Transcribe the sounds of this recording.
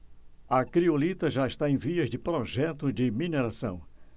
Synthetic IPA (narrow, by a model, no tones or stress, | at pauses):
ɐkɾiolit̪ɐʒaɪʃt̪aẽj̃viɐzd͡ʒɪpɾoʒɛt̪ʊd͡ʒɪmineɾasɐ̰̃w̃